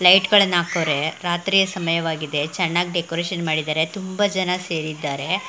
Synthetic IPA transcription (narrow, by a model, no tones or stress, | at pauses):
lɐjʈɡɐɭɐnːaːkoʋɾe̞ɾaːt̪ɾiːjɐsɐmɐjɐʋaːɡid̪e̞t͡ʃɛnːaːɡɖekoːɾeːʃɐnmaːɽid̪aːɾet̪umbɐd͡ʒɐnɐse̞ːɾid̪ːaːɾe̞